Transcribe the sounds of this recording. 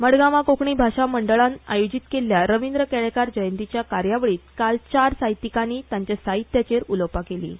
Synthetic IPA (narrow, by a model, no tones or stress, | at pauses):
məɽɡamakokɳiːbʱaʂaməɳɖəɭãna̰jod͡ʑit̪kelːjaɾəʋind̪ɾəkɛɭekaɾd͡ʑəjənt̪it͡ɕjakaɾjaʋɭiːt̪̚kalt͡ɕaɾsaɦjit̪ikaniːt̪jaɲt͡ɕasaɦit̪jat͡ɕeɾuləpakelḭː